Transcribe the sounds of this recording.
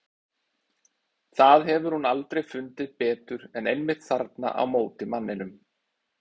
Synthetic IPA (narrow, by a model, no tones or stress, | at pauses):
θaðɦɛvʏɾ̥hunalt̪ɾejfʏnt̪ɪðpɛːt̪ʏɾɛnejnmɪht̪θaɾt̪na̰ʔa̰wmoːwt̪ɪmanːɪnʏm